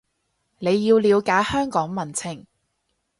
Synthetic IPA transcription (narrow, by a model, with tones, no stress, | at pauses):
ne˨˧jjiː˧wliː˨˧wkaː˨˥hœː˥ŋkɔː˨˥ŋmɐ˨˩nt͡sʰɪ˨˩ŋ